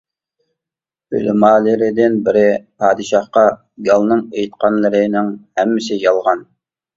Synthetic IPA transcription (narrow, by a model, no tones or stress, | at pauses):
y̰lmɑːlɪɾɪd̪ɪnbɪɾɪpʰɑːd̪ɨʃɑhqɑ | ɡɑlˠnɨŋejt̪qʰɑnlˠɨɾɪnɪŋhɛmːɪsɪjɑlˠʁɑn